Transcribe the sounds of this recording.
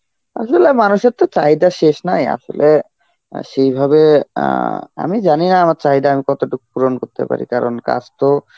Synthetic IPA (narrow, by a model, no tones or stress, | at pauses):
a̰ʃolemanuʃeɾt̪ot͡ɕaɦid̪aʃeʃnaja̰ʃo̰le | ʃejbʱabe | a̰mid͡ʑaninaamaɾt͡ɕaɦid̪aamikɔt̪oʈuk̚puɾonkoɾt̪ḛpa̰ɾḭkaɾo̰nka̰d͡ʑt̪o